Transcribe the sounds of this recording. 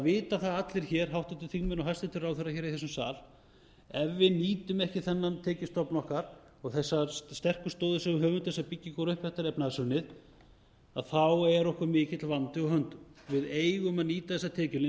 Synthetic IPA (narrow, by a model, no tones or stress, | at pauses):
avɪːt̪aθaðat̪lɪɾ̥çɛːɾ̥ɦawht̪at̪ɪlθiŋmʏnɔɦast̪ɪt̪ʰɪlrawθœɾaçɛːɾiθɛsʏmsa̰ːl | ɛvːɪniːt̪ʏmɛhcɪθɛnːant̪ʰɛːcɪst̪ɔpnɔhkaɾ̥ | ɔɣθɛsːaɾst̪ɛr̥kʏst̪oːwðʏsɛɣʏɦœːvʏnt̪θɛsapicːɪkɔɾʏhpɛht̪aɾɛpnaasʏɾnːɪð | aðθawɛɾɔhkʏɾmɪːcɪt̪lvant̪ɪɔɣhɦœnt̪ʏvɪðeːjɣʏmaðniːt̪aθɛsat̪ʰɛːcɪlɪ